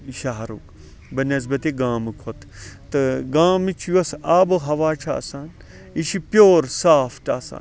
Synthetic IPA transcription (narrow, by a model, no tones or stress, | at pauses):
ʃaɦɐɾṵːk | bɐnɐz̬bɐt̪eːɡaːmɨkʰot̪t̪ɨɡaːmit͡ʃʰjɐsaːboɦɐʋaːt͡ʃʰa̰ːsaːn | iʃipjoːɾsaːfʰʈaːsa̰ːn